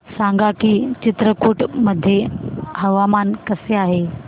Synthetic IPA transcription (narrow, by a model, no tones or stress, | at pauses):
sãŋɡakiːt͡ɕit̪ɾəkuːʈməd̪ʱːjeɦəʋamankəseaɦe